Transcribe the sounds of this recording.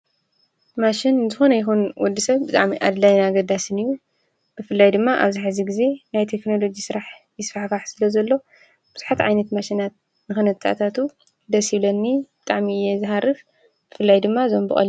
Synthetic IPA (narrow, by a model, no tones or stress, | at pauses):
maʃɪnɨnzɨxonɐjɪxunwɔd̪ːisɐβbɨt̪ʼaʕmiʔa̰d̪lajnaɡɐd̪asɨnɨjːu | b̥ɨfɨlːajd̪ɨmːaʔa̰βzaħɨziɡize̞najt̪ʰe̞kno̞lo̞d͡ʒisɨɾaħjɪsfaħfaħsɨlɐzɐlːo̞ | b̥ɨz̥uħat̪ʕajnɐt̪maʃinat̪̚ | nɨxɨnɐt̪ʰʼːa̰t̪ʰat̪u | d̪ɐsiβlɐnːib̥ɨt̪ʼaʕmijːɛzɨɦaɾɨf | b̥ɨfɨlːajd̪ɨmːaɨzombɨχʼɐ̰lː